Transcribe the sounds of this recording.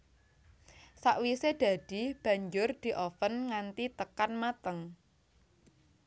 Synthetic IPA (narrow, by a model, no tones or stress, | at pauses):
saʔwised̪̥a̤d̪̥i̤b̥ä̤ɲd͡ʒʊrd̪̥i̤ʔɔfənŋant̪it̪əkanmat̪əŋ